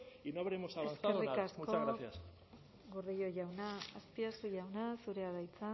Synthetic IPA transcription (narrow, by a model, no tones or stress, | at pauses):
inoaβeɾemosaβeasθkaerikasmkoaɣɾaθias | ɡoɾðejo̞ʝawnaːspiasuʝawnasuɾe̞aðajt͡sa